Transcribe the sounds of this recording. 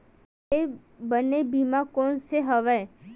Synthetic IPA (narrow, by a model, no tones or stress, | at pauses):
e | bənebimãkonseɦəʋaj